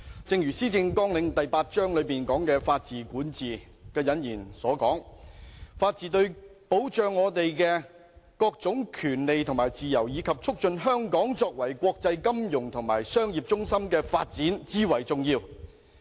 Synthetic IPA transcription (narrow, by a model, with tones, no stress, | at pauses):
t͡sɪ˧ŋjyː˨˩siː˥t͡sɪ˧ŋkɔː˥ŋlɪ˨˧ŋt̪ɐ˨jpaː˧t̚t͡ʃœː˥ŋlɵ˨˧ɥpiː˨˩nkɔː˨˥ŋkɛː˧faː˧t̚t͡siː˨˩kuː˨˥nt͡siː˨ | kɛː˧jɐ˨˥njiː˨˩nsɔː˨˥kɔː˨˥ŋ | faː˧t̚t͡siː˨t̪ɵ˧ɥpo˨˥wt͡ʃœː˨˧ŋːɔː˨˧˥t̪e˨jkɛː˧ | kɔː˧k̚t͡sʊ˨˥ŋkʰyː˨˩nle˨jt̪ʰʊ˨˩ŋmaː˨˩jt͡siː˨jɐ˨˩wjiː˨˧kʰɐ˨p̚t͡sʰʊ˥k̚t͡ʃɵ˧nɦœː˥ŋkɔː˨˥ŋt͡sɔː˧k̚wɐ˨˩jkʷwɔː˧k̚t͡sɐ˧jkɐ˥mjʊ˨˩ŋt̪ʰʊ˨˩ŋma̰ː˨˩jsœː˥ŋjiː˨p̚t͡ʃʊ˥ŋsɐ˥mkɛː˧faː˧t̚t͡siː˨˥nt͡siː˥wɐ˨˩jt͡sʊ˨ŋjiː˧w